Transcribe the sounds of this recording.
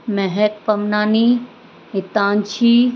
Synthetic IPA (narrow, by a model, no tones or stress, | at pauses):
mɛɦɛk̚pɐmnaːni | ɪt̪ãːnt͡ɕʰiː